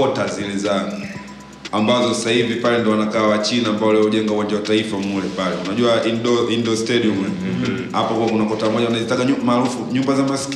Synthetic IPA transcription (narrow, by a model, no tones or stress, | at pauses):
ɔtazilɛzaŋɡu | ambazɔssahivipalɛndiɔwanakaːwat͡ʃinaːmbaɔlɛɔuʄɛŋɡauwand͡ʒawataifaumulɛpalɛunaʄuaʔindɔindɔstɛdium | hapakuwakunakɔtamɔʄawanazitaɡaɲumaːɾufuɲumbazamasi̥k